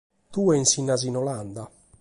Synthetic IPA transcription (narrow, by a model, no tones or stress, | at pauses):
t̪uːɛinsinːazinɔland̪a